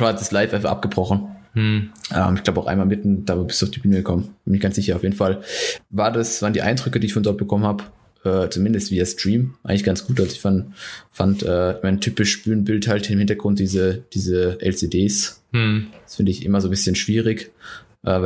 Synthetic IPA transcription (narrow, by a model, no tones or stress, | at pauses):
v̥aːsdaslaɪfʔaɪnfaχʔa̰p̚ɡ̥əbʁɔχn̩ | ʔɛ̰ːmɪçɡ̥laʊbəaʊxʔa̰ɪmaːlmɪtn̩d̥aːvbɪstuːaʊfd̥ibyːnəɡəkʰɔmən̥ɪnɪçɡ̥ant͡ssz̥ɪçɐaʊfjeːdn̩falvaːɐdasv̥aːʁəndiːʔa̰ɪndʁʏkədiːɪçfɔndɔɐt̚b̥əkʰɔmənhaːbə | ʔɛːt͡sumɪndəstv̥iːɐstʁ̥iːmʔa̰ɪɡŋlɪçɡ̥ant͡sɡ̥uːtʔalzoɪçfanfantʔɛːɪçmaɪntʰyːpɪʃb̥yːnbɪlthaltnemhɪntɐɡʁʊnt̚d̥iːzəd̥iːzəʔɛ̰lt͡sedeːs | d̥sfɪndəɪçʔɪ̰mɐzoːbɪsçənʃv̥iːʁɪkʔɛː